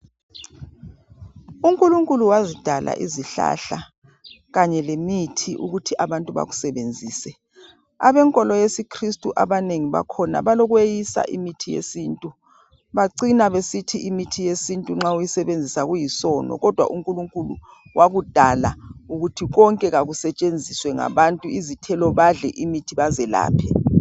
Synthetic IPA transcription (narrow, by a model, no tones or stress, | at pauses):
uŋkʼuluŋkʼuluwazid̥ʱala̰ʔiziɬa̰ɬa | ɣaɲɛlemitʰiʔṵɣutʰiʔaβantʼuβa̰ɣusɛβend͡zʱiːsɛ | a̰βɛŋkʼɔlɔjesikʰristʼuʔaβaneŋiβa̰kʰɔna̰βalɔɣwejisa̰ʔimitʰijḛsintʼu | βaǀinaβesitʰiʔimitʰijesintʼuŋ͡ǁaujisɛβend͡zʱisaɣujisɔːnɔ̰ɣɔd̥ʱwa̰ʔuŋkʼuluŋkʼulu | wʔaɣud̥ʱalauɣutʰiɣ̬ɔŋkʼɛɣaɣusɛt͡ʃʼend͡zʱiswɛŋa̰βantʼuizitʰɛlɔβaɮɛʔimitʰiβazɛla̰ːpʰɛ